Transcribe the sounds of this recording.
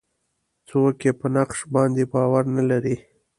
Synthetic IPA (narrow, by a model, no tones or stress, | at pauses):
t͡sokepənaqʃbɑnd̪ebɑwaɾnalaɾi